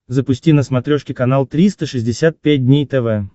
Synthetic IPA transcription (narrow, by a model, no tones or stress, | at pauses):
zəpʊsʲtʲinəsmɐt̪ɾʲoʂkʲɪkɐnalˠt̪ɾʲist̪əʂɨzʲdʲɪsʲat̪̚pʲæt̚ʲdʲnʲejt̪ɛvɛ